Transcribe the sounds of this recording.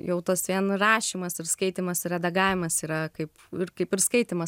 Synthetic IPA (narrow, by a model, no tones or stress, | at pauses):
jɛʊt̪ɐsʋʲiɛnrɑːʃʲiːmɐsɪɾskɐɪt̪ʲɪmɐsɪɾʲɛd̪ɐɡɑːʋʲɪmɐsiːɾɐkɐɪp | ɪɾkɐɪpɪɾskɐɪt̪ʲɪmɐs